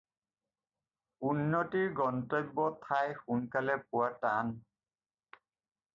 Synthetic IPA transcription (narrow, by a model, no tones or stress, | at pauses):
unːɔtiɹɡɔntɔj̚bɔtʰajxunkalɛpʊwatan